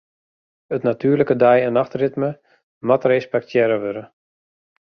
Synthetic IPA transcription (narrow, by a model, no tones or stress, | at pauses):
ətnatʰyːləkədɛjɛnaxtrɪtmə | matrespɛk̚tʰjɛɾəʋøɾə